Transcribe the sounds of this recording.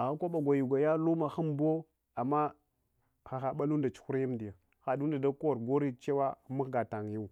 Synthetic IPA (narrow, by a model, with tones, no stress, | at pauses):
a˨ɣa˦kʷa˦ɓa˨ɡʷa˨ju˨ɡa˨ja˦lu˦ma˨xa˦mbo˦ | a˨mːa˦ | xa˨xa˨ɓa˦lu˦nda˨t͡ʃu̥˨˦xu˦ɾji˦mdi˨ja˨ | xa˨du˦nda˨da˦ko˦wa˨ɾɡo˦ɾi˦t͡ʃe˦wa˦mu˦xɡa˨ta˨ŋ˨ja˦u˨